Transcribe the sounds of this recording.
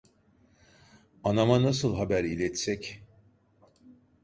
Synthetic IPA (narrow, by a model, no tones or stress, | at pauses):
anamanasɯlˠɦabæɾilʲɛt̪sɛc